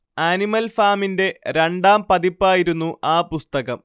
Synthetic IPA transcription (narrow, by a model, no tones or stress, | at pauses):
aːnimɐlfaːminde̞ɾeɳɖaːmpɐðipːaːjiɾunːuʔaːpust̪ɐɣɐm